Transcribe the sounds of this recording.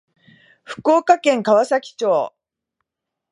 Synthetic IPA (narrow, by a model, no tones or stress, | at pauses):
ɸɯ̟̥ko̞ːkakẽ̞ŋkaβasakʲi̥t͡ɕoː